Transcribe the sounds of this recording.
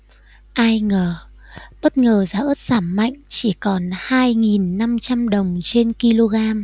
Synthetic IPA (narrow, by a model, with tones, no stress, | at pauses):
ʔaː˧jŋəː˨˩ | ɓə˦˥t̚ŋəː˨˩zaː˨˦ʔə˦˥t̚z̥aː˧˩mma̰˧˨jŋ̟t͡ɕi˧˩kɔ˨˩nhaː˧jŋi˨˩nːa˧mt͡ɕa˧mɗə˨˩wŋ͡mt͡ɕe˧nki˧lo˧ɣaː˧m